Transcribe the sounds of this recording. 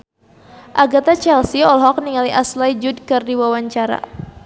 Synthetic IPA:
ʔaɡat̪at͡ʃɛlsiɔlɦɔk̚niŋaliʔaslajd͡ʒud̚kɨrdiwawaɲt͡ʃaɾa̰

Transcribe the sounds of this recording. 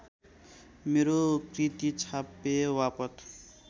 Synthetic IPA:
meɾokrit̪it͡sʰapewapʌt̪

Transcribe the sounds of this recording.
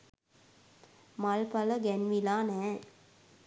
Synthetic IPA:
mɐlpɐlɐɡɛnʋilaːnɛː

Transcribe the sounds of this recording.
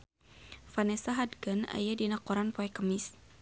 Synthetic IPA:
fanɛsaɦadɡəna̰jadinakɔɾanpɔɛkəmɪs

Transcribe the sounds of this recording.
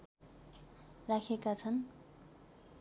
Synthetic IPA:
rakʰekat͡sʰʌn

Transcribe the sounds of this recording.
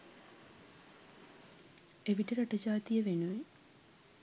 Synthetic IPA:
eʋiʈəɾaʈəd͡ʒaːt̪ijəʋenuʋe

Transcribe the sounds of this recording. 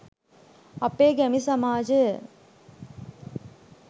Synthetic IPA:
ɐpːeːɡɛmisɐmaːd͡ʒə

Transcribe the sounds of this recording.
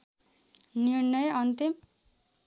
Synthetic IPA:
niɾnʌjʌnt̪im

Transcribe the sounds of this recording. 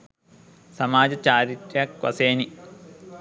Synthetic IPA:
sɐmaːd͡ʑɐt͡ɕaːɾit̪ɾjɐkʋɐ̰seːni

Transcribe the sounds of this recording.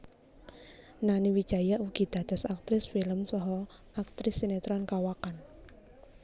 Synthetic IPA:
naniwid̥ʒ̥a̤jaʔuɡ̥i̤d̪̥a̤d̪̥a̤sak̚t̪ɾɪsfiləmsɔɦɔ | ʔak̚t̪ɾɪsːinet̪ɾɔnkawakan

